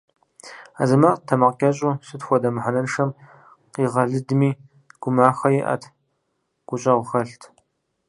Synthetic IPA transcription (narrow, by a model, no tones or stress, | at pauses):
a̰zɐmaqtʰɐmɐqkʲʼɐɕʼuːsɨtxʷɔdɐmħanɐnʂɐm | qiːʁɐɮɨdmiː | ɡ̥ʷʊmaːxɐjɛʔɐ̰tʰ | ɡ̥ʷʊɕʼɐʁʷʊxɐɬtʰ